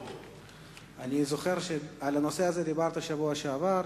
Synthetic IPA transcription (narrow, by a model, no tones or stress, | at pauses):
anizo̞χe̞ʁʃealano̞se̞azed̪ibaʁt̪aʃavuaʃeavaɾ